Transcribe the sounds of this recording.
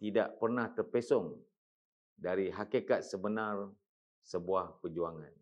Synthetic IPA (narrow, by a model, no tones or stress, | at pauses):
t̪idaʔpərnaht̪ərpesɔŋ | daɾiɦakekat̪̚səbənar | səbuahpəd͡ʒuaŋan